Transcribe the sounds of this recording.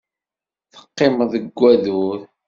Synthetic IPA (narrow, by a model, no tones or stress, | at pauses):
θə̥qːemðəɡʷːæðuɾ